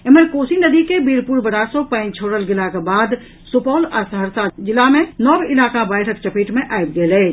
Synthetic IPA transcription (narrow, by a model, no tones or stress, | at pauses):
eməɾkoːsinəd̪ikebiɾpuɾbəɽasopəɪ̃nt͡ʃʰoːɽəlɡelakebaːd̪ | supɔlasəɦəɾsad͡ʒilamenɔbilaːkabəɪʈʰək̚t͡ʃəpiʈmeʔajbɡelɛː